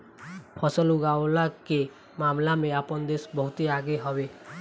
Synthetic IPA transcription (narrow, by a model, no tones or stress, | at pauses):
pʰɔsɔluɡawlake | mamlameapɔnd̪esbɔɦut̪iaɡeɦɔbe